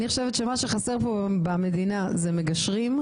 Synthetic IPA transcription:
niχoʃevet̪ʃemaʃeχase̞ʁpobame̞dina | zemeɡaʃʁim

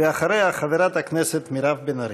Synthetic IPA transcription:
eaχaɾejaχaveɾat̪haknɛset̪miɾavbenaɾ

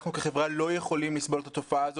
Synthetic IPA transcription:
χnukeχevʁalo̞jeχo̞limlisbo̞let̪ʰat̪ofaaːzo

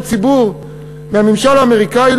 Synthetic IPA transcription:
t͡sibuʁ | mehamimʃalaːme̞ʁikail

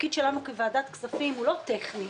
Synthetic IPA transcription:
kid̪ʃelanukevaaːd̪at̪ksafimulo̞t̪eχni

